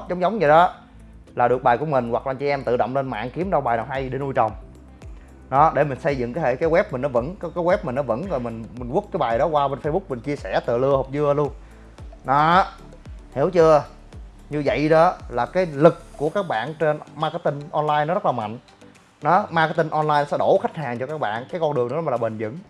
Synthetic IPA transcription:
zɔ˨˦wŋ͡mzɔ˨˦wŋ͡mɲɨ˨˩ɗɔ˨˦ | laː˨˩ɗɨ˨˩ək̚ɓaː˨˩jku˧˩əmï˨˩ŋ̟wa˨˩k̚aː˨˧nt͡ɕi˧ʔɛ˧mt̪ɨ̰˧˨ɗɔ̰˧˨wŋ͡mle˧nma̰ː˧˨nki˨˦əmɗa˧wɓaː˨˩jnaː˨˩wɦa˧jɗe˧˩˦nu˧jt͡ɕə˨˩wŋ͡m | ɗɔ˨˦ɗe˧˩mï˨˩ŋ̟sə˧jzɨ̰˧˨ŋkaː˨˦jhḛ˧˨˩kaː˨˦jwɛ˦˥p̚mï˨˩ŋ̟nɔ˨˦və̰˧˥nkɔ˨˦kaː˨˦jwɛ˦˥p̚mï˨˩ŋ̟nɔ˨˦və̰˧˥nzo˨˩jmï˨˩ŋ̟mi˨˩ŋ̟ʔu˦˥ək̚kaː˨˦jɓaː˨˩jɗɔ˨˦kwaː˧ɓe˧nfə˧jɓʊ˦˥k͡p̚mï˨˩ŋ̟t͡ɕi˧əsɛ˧˩t̪ɨ̰˧˨lɨ˧əho˨˩k͡p̚zɨ˧əlu˧ən | nɔ˨˦ | hḭ˧˩əwt͡ɕɨ˧ə | ɲɨ˧və̰˧˨jɗɔ˨˦laː˨˩kaː˨˦jlɨ˨˩k̚ːu˧˩əkaː˦˥k̚ɓa̰ː˧˨nt͡ɕe˧nmaː˧kə˧t̪i˧ŋʔɔ˧nlaː˧jnɔ˨˦zə˦˥t̚laː˨˩ma̰˧˨jŋ̟ | nɔ˨˦maː˧kə˧˩t̪i˧nʔɔ˧nlaː˧jnɔ˨˦sɛ̰˧˦ɗo˧˩xa˦˥jk̟̚haː˨˩ŋt͡ɕɔ˧kaː˦˥k̚ɓa̰ː˧˨nkaː˨˦jkɔ˧nɗɨ˨˩əŋnɨ̰˧˥˦m˨˩lːɓə˨˩nzɨ̰˧˥ŋ

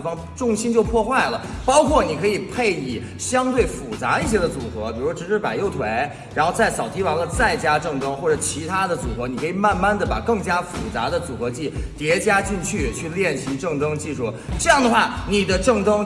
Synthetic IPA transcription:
fɑ˥ŋ | ʈ͡ʂʊ˥˩ŋɕi˥nt͡ɕjo˥˧ʊpʰwɔ˥˧xwa˥˩ɪlə˩pɑ˥ʊkʰwɔ˥˩ni˨˩kʰɤ˧˥i˨˩pʰe˥˩ɪi˨˩ | ɕjɑ˥ŋt̪we˥˩ɪfu˨˩t͡sa̰˧˥i˥˩ɕ̬jɛ˥d̪ə˧t͡su˨˩xɤ˧˥pi˨˩u˧˥ʂwɔ˥ɻ̩˧˥ʈ͡ʂɻ̩˥˩pa˨˩ɪjo˥˩ʊt̪ʰwe˧˥ɪ | ɻa˧˥nxo˥˧ʊt͡sa˥˩ɪsɑ˨˩ʊi˧˥wɑ˧˥ŋlə˧t͡sa˥˩ɪt͡ɕja˥ʈ͡ʂɤ˥˩ŋʈ͡ʂɤ˥ŋxwɔ˥˩ʈ͡ʂɤ˨˩t͡ɕʰi˧˥t̪ʰa˥d̪ə˨t͡su˨˩xɤ˧˥ni˨˩kʰɤ˧˥i˨˩ma˥˧nma˥˩nd̪ə˩ba̰˨˩kɤ˥˩ŋt͡ɕja˥fu˨˩t͡sa̰˧˥d̪ə˧t͡su˨˩xɤ˧˥t͡ɕi˥˩t̪jɛ˧˥t͡ɕja˥t͡ɕi˥˧nt͡ɕʰy˥˩t͡ɕʰy˥˧ljɛ˥˩nɕʰi˧˥ʈ͡ʂɤ˥˩ŋʈ͡ʂɤ˥ŋt͡ɕi˥˧ʂu˥˩ʈ͡ʂɤ˥˧jɑ˥˩ŋd̪ə˩xwa˥˩ni˨˩d̪ə˦ʈ͡ʂɤ˥˩ŋʈ͡ʂɤ˥ŋ

